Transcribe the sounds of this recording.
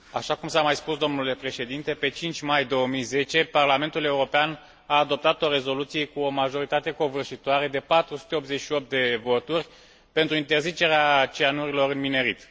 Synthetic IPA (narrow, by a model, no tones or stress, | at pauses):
a̰ʃakumsamajspusd̪o̞mnule̞pɾe̞ʃe̞d̪int̪e̞pe̞t͡ʃint͡ʃʲmajd̪o̞əmijze̞t͡ʃe̞parlame̞nt̪ule̞uɾo̞pean | aːd̪o̞p̚t̪at̪o̞ɾe̞zo̞lut̪sije̞kuo̞maʒo̞ɾit̪at̪e̞ko̞vɨrʃit̪oaɾe̞d̪e̞pat̪ɾusu̥t̪e̞o̞p̪zet͡ʃʃio̞p̚t̪̚d̪e̞vo̞t̪urʲ | pe̞nt̪ɾuint̪e̞rzit͡ʃe̞ɾeat͡ʃianuɾilo̞ɾɨnmine̞ɾit̪